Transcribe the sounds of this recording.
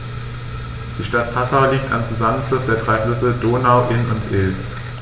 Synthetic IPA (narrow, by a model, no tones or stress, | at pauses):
d̥iːʃtat̚pʰasaʊliːk̚ta̰mt͡suzamənflʊsd̥eːɐdʁaɪfʏsədoːnaʊʔɪnʊntʔɪls